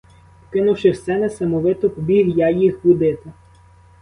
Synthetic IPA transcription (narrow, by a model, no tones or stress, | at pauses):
kɪnuwʃɪwsɛnɛsɐmɔʋɪt̪ɔpɔbʲiɦjajixbʊd̪ɪt̪ɪ